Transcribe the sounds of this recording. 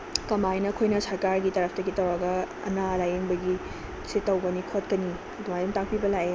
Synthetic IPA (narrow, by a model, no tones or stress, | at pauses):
kɐmajnɐkʰojnɐsɐɾkaɾɡitɐɾɐpʰtɐɡitɐwɾaɡɐ | ɐ̰nalajeŋbɐɡi | setːɐwbɐnikʰot̚kɐni | ɐduŋajdumtak̚pibɐlaje